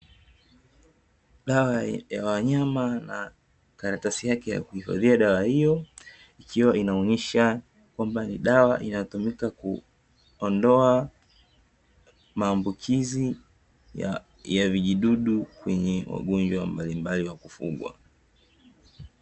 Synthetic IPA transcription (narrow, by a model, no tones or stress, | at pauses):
ɗawajawaɲamana̰ | kaɾatasijakɛja̰kuhifa̰ðiaɗawahijɔ | ikʰiwaʔinaɔɲɛʃa | kwambaniɗawaʔinatumikaku | ɔndɔa | maːmbukʰizi | javiʄiɗuɗukwɛɲɛwa̰ɠɔnd͡ʒwambalimbaliwakufṵɠwa̰